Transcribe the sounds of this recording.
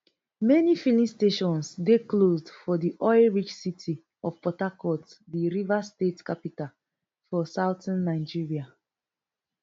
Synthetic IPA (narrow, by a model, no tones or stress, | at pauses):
mɛnifilĩsteʃɔ̃nsdeklozdfɔdiʔɔɪɹit͡ʃsitʰi | ɔvpɔtakɔtdiɹivastetkapital | fɔsaʊtãnːaɪd͡ʒiɹia